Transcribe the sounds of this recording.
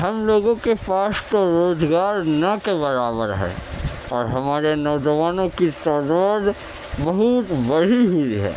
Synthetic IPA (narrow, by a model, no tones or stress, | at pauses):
ɦɐmloːɡõkepaːst̪oɾoːzɡaːɾnɐkebɐɾaːbəɾɦɛ̰ː | ɔːɾɦɐmaːɾenɔːd͡ʒəʋaːnõkit̪ɔːd̪aːd̪ | bɐɦʊt̪bɐɽiɦʊiɦɛ̰ː